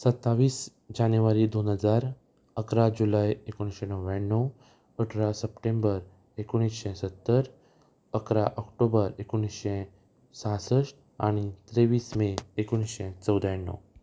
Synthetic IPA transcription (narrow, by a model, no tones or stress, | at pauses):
sət̪ːaʋiːs | d͡ʑanjuʋaɾiːd̪onɦəd͡zaɾ | əkɾad͡ʑulajekoɽ̃isɕẽnəwʋanːəw | əʈʰɾasəpʈẽmbəɾ | ekoɽ̃isɕɛ̃sət̪ːəɾ | əkɾaʔɔkʈobəɾekoɽ̃isɕɛ̃ | sãsəʂʈ | aɽ̃it̪ɾeʋiːsmeːkoɽ̃isɕɛ̃t͡səwd̪ʱajnːə̰w